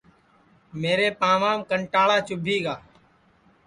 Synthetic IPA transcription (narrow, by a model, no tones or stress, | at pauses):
meːɾeːpaːʋaːmkəɳʈaːɭaːt͡ʃʊbʱiːɡaː